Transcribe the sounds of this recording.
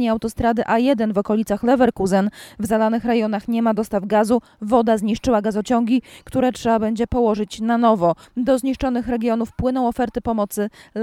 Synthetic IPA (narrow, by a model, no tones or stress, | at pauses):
ɲiawt̪ɔst̪ɾad̪ɘʔajɛd̪ɛnvɔkɔlʲit̪saxlɛvɛɾkuzɛnvzalanɘxɾajɔnaxɲɛmad̪ɔst̪avɡazu | vɔd̪azɲiʂt͡ʂɘwaɡazɔt͡ɕɔŋɡʲikt̪uɾɛtʂɛbabɛɲd͡ʑɛpɔwɔʐɘt͡ɕnanɔvɔd̪ɔzɲiʂt͡ʂɔnɘxɾɛɡʲjɔnufpwɘnɔ̃w̃ɔfɛɾt̪ɘpɔmɔt̪sɘ